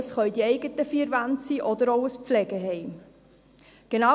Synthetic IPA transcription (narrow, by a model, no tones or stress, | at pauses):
sχœʏdiɛɪɡətəfiːɾvantsiːʔɔdəɾowəspflɛɡəɦɛɪm | ɡ̥enɑ